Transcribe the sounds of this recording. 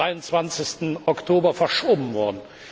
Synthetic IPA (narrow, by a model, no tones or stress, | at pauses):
aɪʊnt͡sv̥ant͡sɪçstn̩ɔktʰoːbɐfɛɐʃoːbm̩vɔɐdn̩